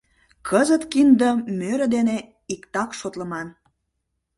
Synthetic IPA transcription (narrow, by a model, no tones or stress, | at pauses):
kʰəzət̪kind̪əmøɾə̆d̪ene | ikt̪ɑkʃot̪ləmɑn